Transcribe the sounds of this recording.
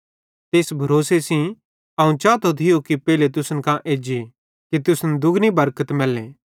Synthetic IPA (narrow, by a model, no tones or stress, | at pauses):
t̪eːsbʱɐɾoːsesĩ | ɐũt͡ʃaːt̪ot̪ʰɪjokipɛːlet̪̬ʊsənkãʔeːd͡ʒi | kit̪ʊsnd̪ʊɡnibɐɾkət̪mɛlːẽː